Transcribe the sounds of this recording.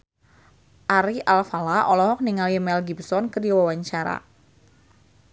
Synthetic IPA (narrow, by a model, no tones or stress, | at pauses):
ʔaɾiʔalfalaʔɔlɔɦɔk̚niŋaljəmɛlɡibsɔnkədiwawaɲt͡ʃaɾa̰